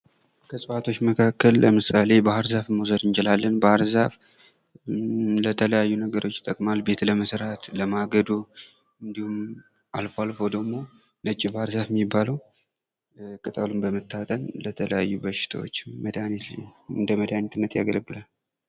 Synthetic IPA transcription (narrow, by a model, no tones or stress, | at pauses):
kʰəsʼɨfat̪ʰo̞t͡ʃːməkʰakːəlːəmɨsale̞bahɨɾzafmosəd̪ɨnd͡ʒɛlalːənbahɨɾzaf | lət̪ʰələjajːunəɡəɾo̞t͡ʃːɪt̪ʼːəkʼmalbe̞t̪ʰləməsɾat̪ləmaɡəd̪u | ɨnd̪ihum | ʔalfalfo̞d̪əɡmo̞ | nət͡ʃʼːibahɨɾzafɛmːibːaləw | kʼɨt̪ʼəlumbəmɨt̪ːat̪ʼənlət̪ʰələjajːubəʃɪ̥t̪ʰa̰wot͡ʃːməd̪anet̪ɨnd̪əməd̪anɛt̪ɨnːət̪ja̰ɡələɡːɨlal